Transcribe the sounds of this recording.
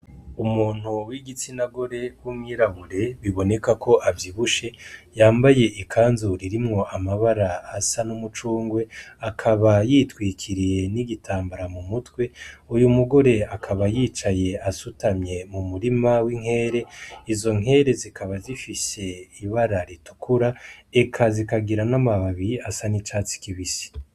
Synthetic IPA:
umuːn̥huwiɡit͡sinaɡo̞ɾe̞wumŋiɾaβuɾe̞βiβo̞ne̞kakʰo̞ʔavjiβuʃe̞jaːmbaje̞ʔikʰaːnzuɾiɾimŋo̞ʔamaβaɾaːsanumut͡ʃuːŋɡwe̞akʰaβajitwiːkʰiɾije̞niɡitʰaːmbaɾamumutwe̞ujumuɡo̞ɾe̞akʰaβajiːt͡ʃaje̞asutamɲe̞mumuɾimawiŋ̥he̞ːɾe̞izo̞ŋɦe̞ːɾe̞zikaβazifise̞iβaɾaɾitu̥kʰuɾae̞kʰazikaɡiɾanamaβaβiasanit͡ʃaːt͡si̥kiβisi̥

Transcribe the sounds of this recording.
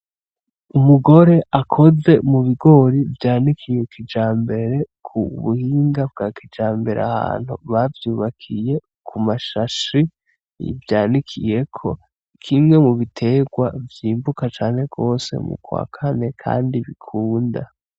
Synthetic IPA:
umuɡo̞ɾe̞ʔakʰo̞ze̞muβiɡo̞ɾivjaːnikʰije̞kʰid͡ʒaːmbe̞ɾe̞ | kʰuβuhiːŋɡab̚ɡaːkid͡ʒaːmbe̞ɾḛa̰ha̰ːn̥hṵβavjuːβakʰije̞ | kʰumaʃaʃi | ḭvjaːnikʰḭje̞kʰo̞̰ | kʰimŋe̞muβitʰe̞ɡwavjiːmbukat͡ʃaːnhe̞ɡo̞ːse̞̰mṵkwa̰ːkʰane̞kʰa̰ːndiβikʰuːnda̰

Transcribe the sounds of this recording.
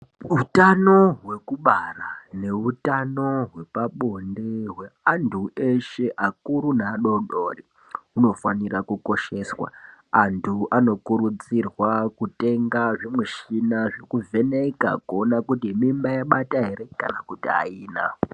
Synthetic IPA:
utano̞ɦwe̞kuɓarane̞utano̞ɦwe̞paɓo̞ndeɦwe̞andʰʱueʃe̞ʔakuɾunaːɗo̞ɗoːri | uno̞fanirakuko̞ʃe̞swa̰ːntʰuʔano̞kuɾud͡zirwakute̞ŋɡaʐemweʃinaʐekuvʱe̞neka̰kuonakutiemimbajaɓataɦe̞ɾe̞ka̰nakutia̰iːna̰

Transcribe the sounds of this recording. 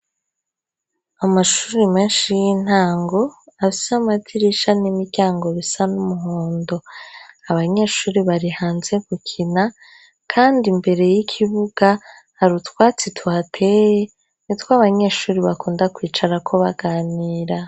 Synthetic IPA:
amaʃu̥ːɾimeːnʃijin̥aːŋɡo̞afisamatʰiɾiʃanimiɾɟaːŋɡo̞βisanumuɦoːndo̞aβaɲe̞ːʃuːɾiβaɾihaːnze̞kukʰina | kʰaːndimbe̞ɾe̞jikʰiβuɡ̥a | haɾutkwaːt͡sitʰuatʰeje | nitwaːβaɲe̞ʃuːɾiβakuːndakwiːt͡ʃaɾakʰo̞βaɡaːniːɾa

